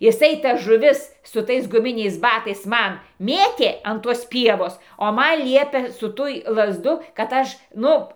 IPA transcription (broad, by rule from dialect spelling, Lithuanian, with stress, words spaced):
jɪˈsɐɪ tɐs ʒʊˈʋʲɪs sʊ ˈtɐɪs ɡʊˈmʲɪnʲɛɪs ˈbɑːtɐɪs ˈmɐn ˈmʲeːtʲeː ɐn ˈtuɔs ˈpʲiɛʋoːs oː ˈmɐn ˈlʲiɛpʲeː sʊ ˈtʊj lˠɐzˈduː kɐt ˈɐʃ ˈnʊ